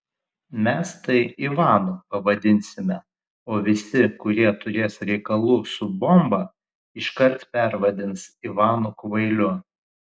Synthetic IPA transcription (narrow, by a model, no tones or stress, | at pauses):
mʲɛst̪ɐɪɪʋɑːnupɐʋɐd̪ʲɪnʲsʲɪmʲɛ | oːʋʲɪsʲɪkʊɾʲiɛt̪ʊɾʲeːsɾʲɛɪkɐlˠuːsʊbɔmbɐ | ɪʃkɐɾt̪pʲæɾʋɐd̪ʲɪnsɪʋɑːnʊkʋɐɪlʲʊ